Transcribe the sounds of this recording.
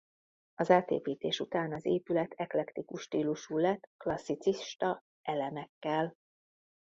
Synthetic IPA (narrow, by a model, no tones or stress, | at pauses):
ɒzaːt̪ḛːpiːt̪eːʃut̪aːnɒzeːpylɛt̪ʰɛklɛkt̪ikuʃːt̪iːluʃuːlɛt̪ːklɒsːit̪siʃt̪ɒ | ʔɛlɛnɛkːɛl